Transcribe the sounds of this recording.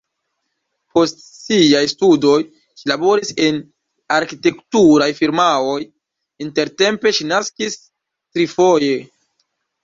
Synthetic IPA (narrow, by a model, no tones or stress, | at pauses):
po̞stsiajstudo̞j | ʃilabo̞ɾise̞n | aɾkite̞ktuɾajfiɾmaoj | inte̞ɾte̞mpe̞ʃinaskis | tɾifo̞je̞